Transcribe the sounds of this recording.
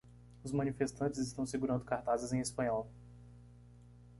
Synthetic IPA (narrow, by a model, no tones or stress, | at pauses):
ʊzmɐ̃nifest̪ɐ̃nt͡ʃɪzɪst̪ɐ̃w̃sɪɡuɾɐ̃nd̪ʊkaɾt̪azɪzẽj̃espɐ̃ɲɔw